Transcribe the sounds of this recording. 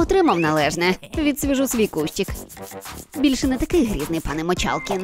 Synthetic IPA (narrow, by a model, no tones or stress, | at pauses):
ɔt̪ɾɪmɐwnɐlˠɛʒnɛʋʲid̪sʲʋʲiʒusʋʲijkuʃʲt͡ʃʲik | bʲilʲʃɛnɛt̪ɐkɪjɦɾʲḭd̪nɪjpɑnɪmɔt͡ʃɑ̰lˠkʲin